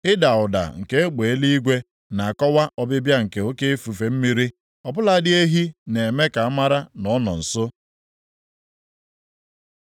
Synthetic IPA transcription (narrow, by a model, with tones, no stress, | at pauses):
ɪ˦da˨ʊ˨da̰˨ŋ̩˨ke˦e˦k͡pe˨e˦li˦i˦ɡʷe˦ | na˨a˨kɔ˦wa˦ʔɔ˦bɪ˦bja˦ŋ̩˨ke˨o˦ke˦e˦fu˨fe˨m̩˦mi˦ɾi˦ | ɔ˨bʊ˦la˦dɪ˦e˦ɦi˦ne˨me˦ka˨a˦ma˦ɾa˦nɔ˨˦nɔ̰˨n̩˨sʊ˦